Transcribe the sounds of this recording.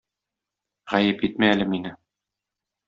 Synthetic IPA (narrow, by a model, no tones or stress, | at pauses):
ʁæjɘpit̪̚mæælɘminɘ